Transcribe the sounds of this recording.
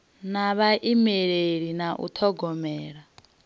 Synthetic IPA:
naβaʔimeɺeɺinaʔṵt̪ʰɔɡɔmɛːɺa

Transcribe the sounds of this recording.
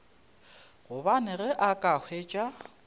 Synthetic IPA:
ɣʊbanɪɣɛʔakʼahʰweːt͡ʃʼa

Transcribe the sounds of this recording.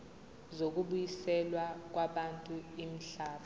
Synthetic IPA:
zok̬uɓujisɛlwak̬waɓantʼuim̩ɬaːtʰu

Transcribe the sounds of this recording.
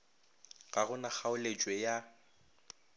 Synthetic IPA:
ɣaɣʊnak͡xaʊlet͡ʃʼwɛja

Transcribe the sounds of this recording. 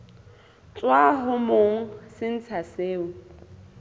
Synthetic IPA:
t͡sʼwaɦʊmoŋ̩sɪn̩t͡sʰaseːʊ

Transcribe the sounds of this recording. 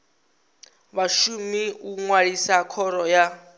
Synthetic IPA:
βaʃumiuŋwaɺisakʰɔɾɔja

